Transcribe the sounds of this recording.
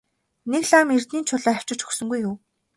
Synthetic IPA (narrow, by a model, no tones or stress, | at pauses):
nekɮaːmer̥t̪niːnt͡ɕʰʊɮaːæw̥t͡ɕɪ̆t͡ɕɵ̥xsɵ̆ŋɡujuːw